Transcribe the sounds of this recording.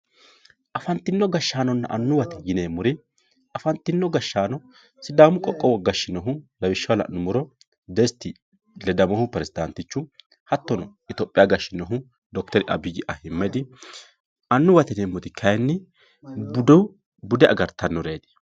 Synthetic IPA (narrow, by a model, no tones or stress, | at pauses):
ʔɐfɐnt̪ːɪnːɔɡɐʃːaːnɔnːɐ̰ʔɐnːʊwɐt̪ɛjɪneːmʊɾɪ | ɐfɐnt̪ːɪnːɔɡɐʃːaːnɔ | sɪd̪aːmʊkʼɔkʼːɔwɔɡɐʃːɪnɔɦʊlɐbɪʃːɐwlɐ̰ʔnʊmʊɾɔ | d̪ɛst̪ːɪ | lɛd̪ɐmɔhʊpɛɾɛsɪd̪ɐnt̪ɪt͡ʃːʊ | hɐt̪ːɔnɔʔɪt̪oːpʼːɪjaɡɐʃːɪnɔɦʊ | d̪ɔkt̪ɛɾɪʔɐ̰bɪɡɪʔɐhɪmːɛd̪ɪ | ʔɐnːʊwɐt̪ɛneːmːʊd̪ɪkʰɐjnːɪ | bʊd̪ɔw | bʊd̪ɛʔɐ̰ɡɐɾt̪ːɐnːɔɾeːd̪ɪ̥